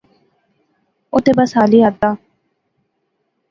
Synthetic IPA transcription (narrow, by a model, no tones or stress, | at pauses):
ʊt̪eːbəsɦaːliːat̪aː